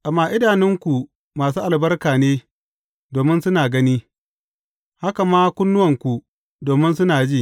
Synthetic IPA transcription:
ʔa˨mːaː˨ʔɪ˦daː˨nɪ˦ŋkʷu˨ | maː˨s̬uː˦ʔa˨lbɐ˦rkaː˨neː˦ | doː˨mɪ˦nsʊ˦naː˨ɡɐ˦niː˦ | ha˦ka˨maː˦kʷʊ˦nːʊ˦wɐ˨ŋkʷu˨ | doː˨mɪ˦nsʊ˦naː˨d͡ʒiː˦˨

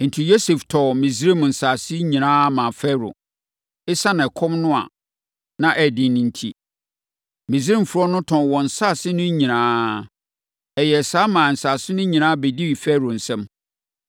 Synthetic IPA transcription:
n̩˨tʰi˨jo˦se˨ftʰɔ˨mĩ˨zɾi˦˨m˨n̩˨sa˨sɪ˦ɲĩ˨nãː˦mã˨fɛ˦ɾʊ̰˨ | ɪ˦sa˦nã˨kʰɔ̃˦mnʊ̃˦a̰˨ | nã˦ʔɛ˨dɪ̃˨nĩ˨n˨tʰḭ˦ | mĩ˨zɾĩ˦m̩˨fʊ˨ɾɔ˦nʊ̃˦tʰɔ̃˨n˨wɔ̃˨n̩˨sa˦˨sɪ˦nʊ̃˦ɲĩ˨nãː˦ | ɛ˨jɛ˨saː˦mãː˨n̩˨saː˨sɪ˦nʊ̃˦ɲĩ˨nãː˦be˨di˦wi˨fɛ˦ɾo˨n̩˨sɛ̃˦m

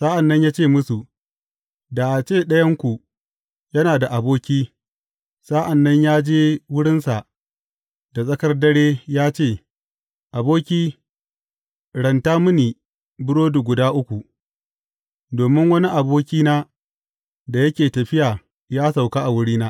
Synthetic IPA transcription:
sa˦ʔa˨nːɐ˦ɲjaː˦t͡ʃeː˦˨mʊ˦su˨ | da˨ʔa˨t͡ʃeː˦˨ɗɐ˦jɐ˦ŋkʷu˨ | jɐ˦naː˨da˨ʔa˨boː˦kʲiː˦ | sa˦ʔa˨nːɐ˦ɲjaː˦d͡ʒeː˦wʊ˦ɽɪ˦nsa˨ʔ | da˨sʼɐ˦kɐ˦rdɐ˦ɽeː˦jaː˦t͡ʃeː˦˨ | ʔa˨boː˦kʲiː˦ | ɽɐ˨ntaː˦mʊ˦niː˨ | bʊ˦ɽoː˦du˨ɡʷʊ˨daː˦ʔʊ˦kʷu˨ | doː˨mɪ˦ŋwɐ˦ni˦ʔa˨boː˦kʲiː˦naː˦ | da˨jɐ˦kʲeː˨tɐ˨ɸɪ˦jaː˨ | jaː˦sa˨wka˦ʔa˨wʊ˦ɽiː˦naː˦

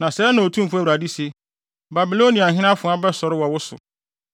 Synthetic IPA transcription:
nã˨sɛ˦nã˨o˨tʰũ˦m̩˦fʊ˦æ˦˨ɾa˨di˦se˨ | ba˨bi˨lo˦nĩ˨a˨ɦɪ̃˦nã˦fʊ̃˨˦a˦bɛ˦sɔ˨ɾɪ˦wɔ˨wʊ˦sʊ̰˨

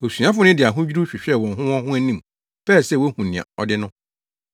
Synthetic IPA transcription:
o˨su˨˦ã˦fʊ˦nɪ̃˦dɪ˨a˨ɦʊ̃˦d͡ʑᶣi˦ɾu˦ɕᶣɪ˨ɕᶣɛ˦˨wɔ̃˨ɦʊ̃˦wɔ̃˦hʊ̃˦æ˦nĩ˦m | fɛ˦˨sɛ˦˨wo˦hũ˨nɪ̃˨ã̰˨ɔ̰˨dɪ˦nʊ̃˦

